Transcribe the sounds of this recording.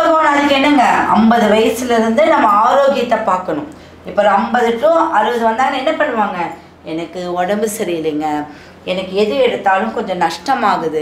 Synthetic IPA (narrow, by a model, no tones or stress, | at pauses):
ɐpoːnaːðɯkːɯɛnːɐŋɡɐɐmbɐðɯʋɐjɐsɪlɐɪɾɯnd̪ɯnɐmːɐaːɾoːɣɪjɐt̪ːɐpaːɾkɐɳʊ̃ | ɪpːɐɾɐmbɐðɯʈːʊ̃ʔɐɾɯʋɐðɯʋɐnd̪aːŋɡɐɛnːɐpɐɽːɯʋaːŋɡɐ | ɛnɐkːɯɔɽɐmbɯsɐɾɪjɪliːŋɡɐ | ɛnɐkːɯɛðɯɛɽɯt̪ːaːlɯ̃mkɔɲd͡ʒɔ̃nɐʂʈɐmaːɣɯðɯ